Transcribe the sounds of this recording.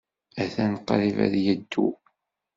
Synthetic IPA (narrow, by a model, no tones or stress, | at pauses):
æθænqːɾivæ̰ðjəd̪ːṵ